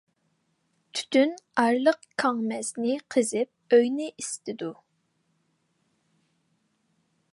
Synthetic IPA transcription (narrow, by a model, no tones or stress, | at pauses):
t̪ʰy̥t̪ʰynɑɾlˠəqkʰɑŋmɛznɪqʰəzɪp̚øjnɪʔist̪ɪd̪u